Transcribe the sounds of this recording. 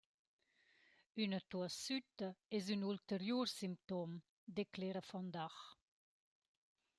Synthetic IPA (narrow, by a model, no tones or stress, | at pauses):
ynət̪uəsyt̪əɛzynult̪əɾjursimp̚t̪om | d̪eklɛɾəfɔnd̪aχ